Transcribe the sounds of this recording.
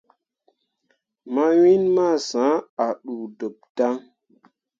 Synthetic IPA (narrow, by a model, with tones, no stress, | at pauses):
ma˦wi˦nma˦˨sã˨˦a˨ɗu˨do˨p̚d̥a˦ŋ